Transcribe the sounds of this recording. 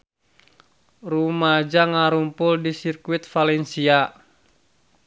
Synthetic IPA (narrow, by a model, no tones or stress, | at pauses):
rumad͡ʒaŋaɾumpʊldisirkwit̪falɛnsia